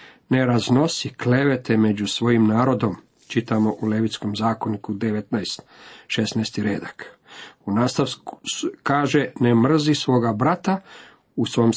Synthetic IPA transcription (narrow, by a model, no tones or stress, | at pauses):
ne̞ɾazno̞sikle̞ʋe̞t̪ʰeme̞d͡ʑusʋo̞jimnaːɾo̞d̪o̞m | t͡ʃit̪amo̞ʔule̞ʋit̪sko̞mzaːko̞nikud̪eʋet̪najst̪ʃesnajst̪iɾeːd̪ak | unaːst̪aʋkkaːʒenemr̩zisʋo̞ːɡabɾat̪a | usʋo̞m